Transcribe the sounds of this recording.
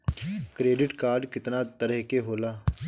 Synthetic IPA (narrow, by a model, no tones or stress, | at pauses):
kɾeːɖɪʈkaːɾɖkɪt̪nãːt̪əɾəɦkeːɦoːlaː